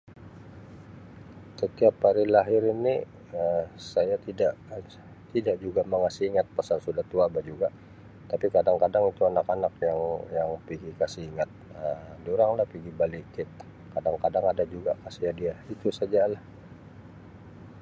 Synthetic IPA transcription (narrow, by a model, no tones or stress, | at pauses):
sət̪iapaɾilaɦɪɾini | əsajat̪idaʔ | t̪idaʔd͡ʒuɡaməŋasiiŋat̪̚pasarsudaht̪uabad͡ʒuɡa | t̪apikadaŋkadaŋit̪uanakanak̚jaŋjaŋpiɡikasiiŋat̪̚ədoɾaŋlahpiɡibalikɪt̪̚ | kadaŋkadaŋadad͡ʒuɡakasiadiait̪usad͡ʒalah